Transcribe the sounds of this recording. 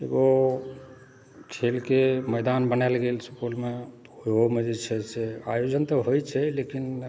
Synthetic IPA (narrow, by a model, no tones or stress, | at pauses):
ḛɡo | kʰelkeməjd̪anbənɛlɡelsupulme | oomed͡ʒet͡ʃʰɛsea̰jod͡ʒənt̪ɔɦojt͡ʃʰɛlekin